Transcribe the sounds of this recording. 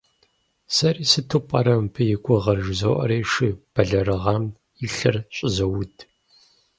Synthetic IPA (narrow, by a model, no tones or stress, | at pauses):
sɐɾiːsɨtʰɨpʼɐɾɐmpʰɨjɪkʷʼɔʁɐrʒzo̰ʔɐ̰ɾeːʃɨb̥ɐɮɐrɐʁɑm | iɬɐrɕʼɪzɐwʊtʰʼ